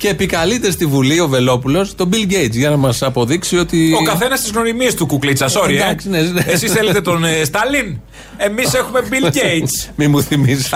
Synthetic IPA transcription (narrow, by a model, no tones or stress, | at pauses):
ce̞ːpikɐlit̪e̞st̪ivulio̞ve̞lo̞pulo̞st̪o̞bilɟejt̪t͡sʝɐnɐmɐsɐpo̞ðiksio̞t̪io̞kɐθenɐst̪izɣno̞ɾimiest̪ukuklit͡sɐsoɾiɐɐksnezneesisθelet̪et̪onest̪ɐlin | emisexume̞bilɟeismimuθimis